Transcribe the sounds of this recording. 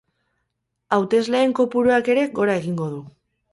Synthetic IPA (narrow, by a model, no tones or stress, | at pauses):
awt̪e̞zle̞ːŋko̞puɾoake̞ɾe̞ɣo̞ɾae̞ɣiŋɡo̞ðu